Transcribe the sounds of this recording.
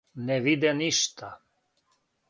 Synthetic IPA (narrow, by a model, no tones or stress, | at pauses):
nɛʋid̪ɛniʃt̪ʰa